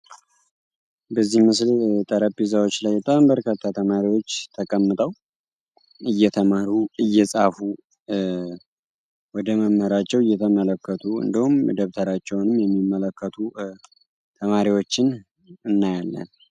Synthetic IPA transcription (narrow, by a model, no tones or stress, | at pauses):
bəzːihmɨslt̪ʼəɾəizawo̞t͡ʃːlajbət̪ʼambəɾkʰət̪ʰːat̪ʰəmaɾiwo̞t͡ʃːt̪ʰəkʼəmːɨt̪ʼəw | ʔɨjːɛt̪ʰəmaɾuɨjːɛsʼafu | wɔd̪əməmhəɾat͡ʃːɛwɨjːɛt̪ʰəmələkːət̪ʰuɨ̰nd̪ihumd̪əβt̪ʰəɾat͡ʃːɛwnɨmjɛmːimːələkːət̪ʰu | t̪ʰəmaɾiwo̞t͡ʃːɪn | ɨnːajalːə̰n